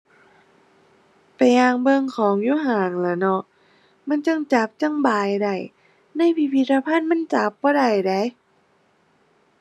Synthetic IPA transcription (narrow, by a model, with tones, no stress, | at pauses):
pa˨jːaː˧ŋbɤ˧ŋkʰɔː˨˦ŋjuː˧˥˨ɦaː˨˦ŋla˨˦nɔ˧ | ma˧˥˨nt͡ɕa˧˩ŋt͡ɕa˨˦p̚t͡ɕa˧˩ŋbaː˨˩jda˨˩j | na˧˥˨jpʰi˧˩pʰi˧˥t̪̚ɾa˧pʰa˧˥˨nma˧˥˨nt͡ɕa˨˦p̚bɔː˧˦da˨˩jda˨˦j